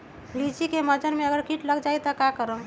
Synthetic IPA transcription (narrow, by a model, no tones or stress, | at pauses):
lid͡ʒikeməd͡ʒənmeəɡəɾkiʈləɡd͡ʒajt̪əkakəɾəm